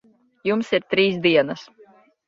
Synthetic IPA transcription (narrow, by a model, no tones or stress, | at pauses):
jumsiɾt̪ɾiːsd̪iɛnɐs